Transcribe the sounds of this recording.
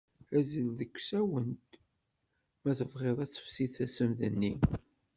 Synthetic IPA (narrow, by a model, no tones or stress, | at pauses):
æzəlðəkʷːsæwənt̪ | mæθəvʁeðˤæt͡sːə̥fsiθæsəmðə̰nːi